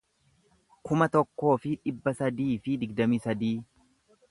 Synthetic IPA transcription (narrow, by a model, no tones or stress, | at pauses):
kʊmɐt̪ɔkːo̞ːfɪᶑɪbːɐsɐd̪iːfɪd̪ɪɡd̪ɐmisɐd̪iː